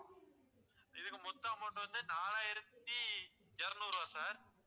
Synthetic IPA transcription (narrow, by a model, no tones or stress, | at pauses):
ɪðɯkːɯmʊt̪ːaːmoːʈːɯʋɐnd̪ɯnaːlaːjɪɾɐt̪ːi | ɛɾɐnuːɾõːsaːɾ